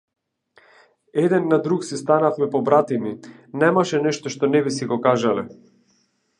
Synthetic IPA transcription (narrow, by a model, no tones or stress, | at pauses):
ɛd̪ɛnːad̪ɾuksist̪anafmɛpɔbɾat̪iminɛmaʃɛnɛʃt̪ɔʃt̪ɔnɛbisiɡɔkaʒalɛ̰